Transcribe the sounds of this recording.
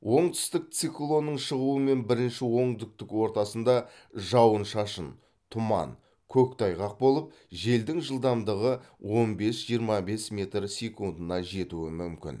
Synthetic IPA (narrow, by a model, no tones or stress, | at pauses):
wo̞ɴt̪ʏ̥st̪ɪk̚t̪siklˠo̞nːəɴʃəʁuəme̞nbɪɾɪnʃɪwo̞ɴd̪ɪk̚t̪ɪkwo̞ɾt̪ɑsənd̪ɑ | ʒɑwənʃɑʃən | t̪ʰʊmɑ̰n | kʲʰɵkt̪ʰɑjʁɑq̚bo̞lˠəp̚ | ʒe̞ld̪ɪŋʒəlˠd̪ɑmd̪əʁəwʔo̞nbe̞sʒ̥ijəɾmɑbe̞smʲe̞t̪rsʲe̞kund̪ənɑʒe̞t̪uɪmʏmkʲɪ̰n